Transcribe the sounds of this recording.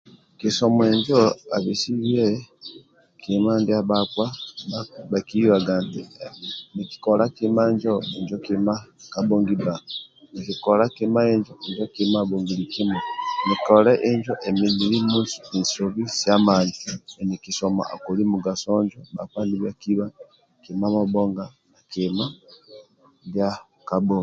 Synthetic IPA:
kisomweɲd͡ʒoaβisiβie | kimandiaβakwa | βakiwaɡantḭniki̥kolakimaɲd͡ʒoeɲd͡ʒokimakaboːŋɡibanikikolakimaeɲd͡ʒoeɲd͡ʒokimaβoːŋɡiɾikimanikɔɾɛʔeɲd͡ʒɔʔemimiɾimuːsi̥isoβisijamaːnd͡ʒinikisɔma̰a̰koɾimuɡasɔɲd͡ʒɔba̰kaniβjakiβa | kimamaboŋɡa | nakima | ɡja | kaboːŋɡ

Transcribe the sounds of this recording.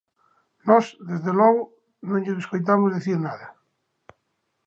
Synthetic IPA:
nɔzðezðelwɔɣo | nõɲʎozeskojt̪̬amozðeθiɾnaða

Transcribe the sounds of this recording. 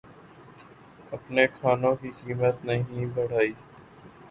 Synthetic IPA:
ɐpnekʰaːnõkikiːmət̪nəɦĩbəɽ̤aːiː

